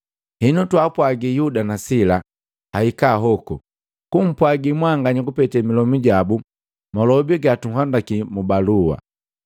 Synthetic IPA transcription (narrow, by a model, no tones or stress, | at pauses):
hinutwapwaɡijudanasila | haikaɦɔkɔ | kum̩pwaɡimwaŋɡaɲiɡupɛtɛmilɔmiɟabu | mɔlɔbiɡatuŋ̩hwandakimubalua̰